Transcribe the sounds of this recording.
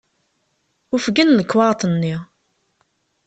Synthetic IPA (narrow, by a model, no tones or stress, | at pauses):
ʊfɡənləkːwɑɾˤt̪ˤnːi